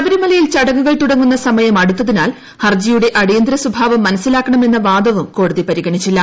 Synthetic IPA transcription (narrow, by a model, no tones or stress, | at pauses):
ɐʋɐɾimɐlɐjilt͡ɕɐɽɐŋːuɣɐɭt̪uɽɐŋːunːɐsɐmɐjɐmɐɽut̪ːɐðinaːl | hɐrd͡ʑijuɽe̞ʔɐɽijɐnd̪ɾɐsubʱaːʋɐmːɐnɐsːilaːkːɐɳɐme̞nːɐʋaːd̪ɐʋumko̞ːɽuðipɐɾiɣɐɳit͡ɕːilːɐ